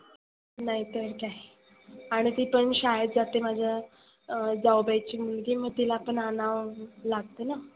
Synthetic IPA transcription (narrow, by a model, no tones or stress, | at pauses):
naɦit̪əɾkaɦ | aɽ̃it̪iːpəɳɕajəd̪d͡zat̪emad͡ʑʱja | d͡zawbajt͡ɕiːmulɡiːməɡ̚t̪ilaːpəɳanaʋlaɡ̚t̪əna